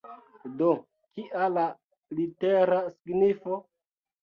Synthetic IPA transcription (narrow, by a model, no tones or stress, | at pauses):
do | kiʔala | liteɾasiɡnifo